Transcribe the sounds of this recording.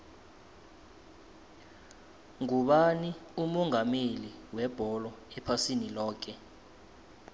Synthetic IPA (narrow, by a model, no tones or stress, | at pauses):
ŋuɓaniumɔŋameliwɛb̥ʱɔlɔɛpʰasinilɔːk̬ɛ